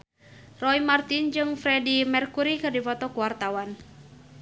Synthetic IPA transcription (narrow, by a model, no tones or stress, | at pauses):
rɔimart̪ind͡ʒɨŋfɾɛdimɛrkuɾikɨrdifɔt̪ɔkuwart̪awan